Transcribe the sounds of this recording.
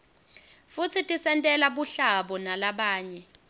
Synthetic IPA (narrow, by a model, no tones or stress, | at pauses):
fut͡sʰitʼisɛntʼɛlaɓuɬaɓɔnalaɓaːɲɛ